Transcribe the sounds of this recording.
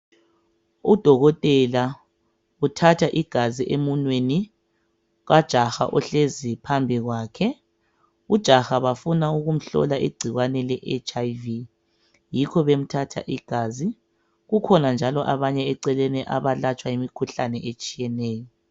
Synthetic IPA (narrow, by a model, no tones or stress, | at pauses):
ud̥ʱɔɣɔtʼɛla | utʰatʰaʔiɡ̥ʱaziʔemunweni | ɣad̥ʒ̥ʱaxa̰ʔɔɬezipʰambʱiɣwaːkʰɛ | ud̥ʒ̥ʱaxaβafunauɣum̩ɬɔ̰laʔḭɡ͡ǀʱiɣwanɛlɛʔɛt͡ʃʼajvi | jikʰɔβem̩tʰatʰa̰ʔiɡ̥ʱaːzi | ɣukʰɔnand͡ʒʱalɔʔaβaɲɛɛǀɛlɛnɛʔaβalat͡ʃʼwaimikʰuɬanɛʔet͡ʃʼijɛnɛːjɔ